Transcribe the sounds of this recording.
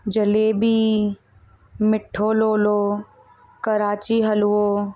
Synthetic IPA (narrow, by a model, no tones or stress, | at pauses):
d͡ʒəleːbi | mɪʈʰːoːloːloː | kəɾaːt͡ʃiɦɐloː